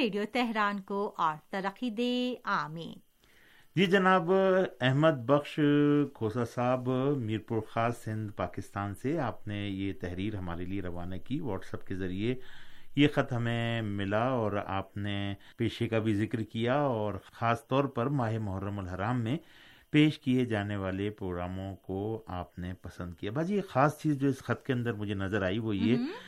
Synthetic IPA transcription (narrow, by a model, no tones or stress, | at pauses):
eːɖijot̪ɛɦɾaːnkoʔɔːɾt̪ɐɾəqːid̪eːaːmḛ̃ː | d͡ʒiːd͡ʒɐnaːbɛɦməd̪̚bɐxʃkʰoːsasaːbmiːɾpuːɾxaːsːɪ̃nd̪paːkɪst̪aːnseaːpnejet̪ɛɦɾiːɾɦɐma̰ːɾelieɾɐʋaːnakiʋɔːʈsɐpkezɐɾiejexɐt̪ɦɐmẽmɪlaɔːɾa̰ːpnepeːʃekabʱizɪkɾkijaɔːɾxaːst̪ɔːɾpɐɾmaːɦemʊɦəɾːəməlɦɐɾaːmːẽ | peːʃkied͡ʒaːneʋaːlepɾoːɡɾaːmõkoaːpnepɐsə̃nd̪̚kijabʱaːd͡ʒiːxaːst͡ʃiːzd͡ʒoːɪsxɐt̪keɐ̃nd̪əɾmʊd͡ʒʱenɐzəɾaːiʋoje